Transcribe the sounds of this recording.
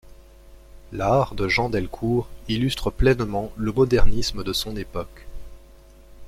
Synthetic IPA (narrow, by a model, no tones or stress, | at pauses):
laʁd̪əʒɑ̃d̪ɛlkʰuʁilyst̪χəplɛnmɑ̃ləmɔd̪ɛʁnisməd̪əsɔ̃nepɔk